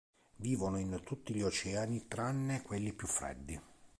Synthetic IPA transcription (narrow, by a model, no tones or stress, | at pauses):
viːvonoint̪ut̪ːiʎiot͡ʃɛːanit̪ɾanːekwelːipjufːɾɛ̰d̪ːi